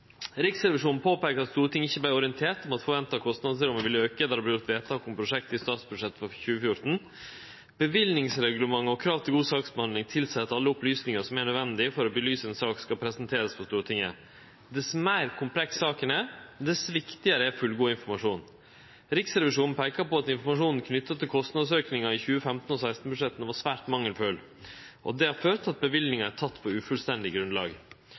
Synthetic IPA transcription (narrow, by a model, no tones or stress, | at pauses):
ɾɪksɾɛʋɪʂuːnpʰoːpɛːkəɾɑt̪st̪uːɾət̪ʰɪŋːəɪçːəblæɪɔɾɪənt̪ʰeːʈ̪ɔmɑt̪fɔɾʋɛnt̪ɑkʰɔst̪nɑd̪səɾɔmɛʋɪløːkəd̪ɑɾdɛblɪjʊt̪ʋeːt̪ʰɑːkʊmpʰɾʊʂɛkt̪ɪst̪ɑːt̪sbʉd̪ʂɛt̪ːfɔçʉːəfjʊɾʈn̩ | b̥əʋɪlnɪŋsɾɛɡʉləmɑŋːɔkʰɾɑːʋt̪ʰɪlɡuːsɑːksbɛhɑnd̪ɪŋt̪ʰɪlsɛɑt̪ːɑlːəʊplyːsnɪŋəʂɔmæɳœd̪ʋɛnd̪ɪfɔɾɔbəlyːsəɛnsɑːkskɑpʰɾɛsənt̪ʰeːɾəsfɔst̪uːɾət̪ʰɪŋːə̰ | d̪ɛsɔmæɪɾkʰʊmpʰlɛksɑːkənæɾd̪ɛsʋɪkt̪ɪəɾəæfʉlɡuːɪnfɔɾmɑʂuːn | ɾɪksɾɛʋɪʂuːn̩pʰæɪkɑpɔɑt̪ɪnfɔɾmɑʂuːnn̩kʰnʏt̪ːət̪ʰːɪlkʰɔst̪nɑd̪søːknɪŋɑɪçʉːəfɛmt̪n̩ɔsæɪst̪n̩bʉʂɛt̪ːn̩ʋɑsʋæːʈmɑŋːəlføːl | ʔɔ̰d̪ɛhɑɾføːɾt̪ɑt̪̚bəʋɪld̪nɪŋɑæt̪ʰɑt̪ːpʰɔʉfʉlst̪ɛnd̪ɪɡɾʉnd̪lɑ̰ːɡ